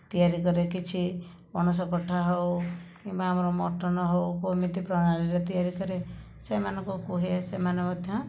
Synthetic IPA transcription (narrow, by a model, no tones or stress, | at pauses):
t̪ijaɾikɔɾekit͡ʃʰi | mɔnus̬ɔkɔʈʰaɦowkĩmbaamɔɾɔmɔ̰ʈɔnɔɦowkomit̪ipɾɔɽaliɾet̪ijaɾikɔɾe | semanɔŋkukuɦesemanɔ̃kɔt̪ːjã